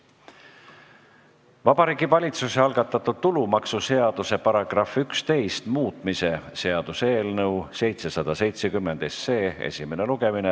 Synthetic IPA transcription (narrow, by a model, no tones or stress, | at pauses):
vɑb̥ɑɾiːɡ̥ivɑlʲit̪suseɑlɡ̥ɑt̪ːˑɑt̪ːˑud̪̥̚t̪ulumɑksuse̞ɑd̪̥use̞pɑɾɑɡ̥rɑfykst̪e̞jst̪muːt̪ˑmise̞se̞ɑd̪̥useːlnɤwse̞jt̪se̞sɑd̪̥ɑse̞jt̪sekymːe̞nd̪̥esːe̞ːḛsʲime̞neluɡ̥e̞mine